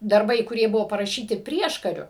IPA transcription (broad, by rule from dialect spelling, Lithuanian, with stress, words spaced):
dɐrˈbɐɪ kʊˈrʲiɛ ˈbʊʋoː pɐrɐˈʃʲiːtʲɪ ˈpʲrʲiɛʃkɐrʲʊ